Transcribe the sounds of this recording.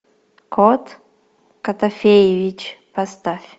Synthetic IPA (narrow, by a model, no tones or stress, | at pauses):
kʰot̪ | kɐt̪ɐfʲejevʲit͡ɕpɐst̪afʲ